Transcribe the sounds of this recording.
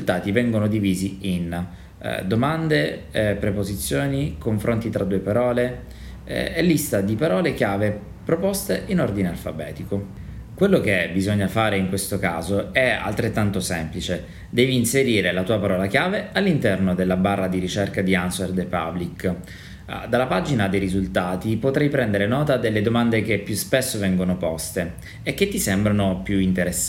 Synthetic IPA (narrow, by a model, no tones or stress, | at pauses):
izult̪aːt̪ivɛŋɡonod̪iviːziin̰ | d̪omand̪epɾepozit̪sːjoːnikoɱfɾʔont̪it̪ɾʔad̪uːepaɾɔːle | elːist̪ad̪ipaɾɔːlekjaːve | pɾopost̪eʔinord̪inealfa̰bɛːt̪iko | kwelːok̟ebizoɲːafaːɾeiŋkwest̪oka̰ːzoɛa̰lt̪ɾet̪ːant̪osɛmplit͡ʃe | d̪ɛːviːnseɾiːɾelat̪uːapaɾɔːlak̟jaːvealːint̪ɛrnod̪elːabarːad̪iɾit͡ʃerkad̪ianserd̪epa̰blik | d̪alːapaːd͡ʒinad̪ejɾizult̪aːt̪ipot̪ɾɛjpɾɛnd̪eɾenɔːt̪ad̪elːed̪omand̪ek̟epːjuspesːovɛŋɡonopɔst̪eː | kːet̪ːisɛmbɾanopjuint̪eɾes